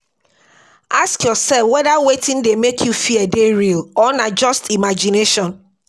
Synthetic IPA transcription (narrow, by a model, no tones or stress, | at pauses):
askjɔsɛlfwɛdawetɪ̃ndemekʰjufiɛdeɹilɔnad͡ʒɔstimad͡ʒineʃɔ̃n